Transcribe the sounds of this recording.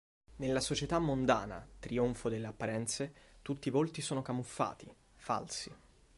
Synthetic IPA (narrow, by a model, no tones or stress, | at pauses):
nelːasot͡ʃet̪amːond̪aːna̰t̪ɾioɱfod̪elːeapːaɾɛnt̪set̪ut̪ːiːvolt̪isoːnokamufːa̰ːt̪i | fa̰lsi